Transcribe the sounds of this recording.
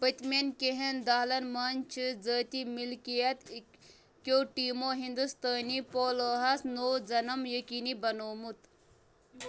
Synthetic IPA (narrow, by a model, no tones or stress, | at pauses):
bɐt̪mʲenkeɦend̪aːlɐnmɐnt͡ʃʰɨd͡zəːt̪imilkijɐt̪ | kjoːʈiːmoɦind̪ust̪aːnipoːləːɦasnowd͡zɐnɐmjɐkiːnibɐnoːmut̪